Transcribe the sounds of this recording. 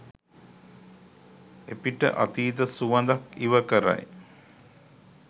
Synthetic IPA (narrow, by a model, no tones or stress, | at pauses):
epiʈə̰ʔa̰t̪iːd̪əsuʋɐnd̪akiʋəkəɾa̰j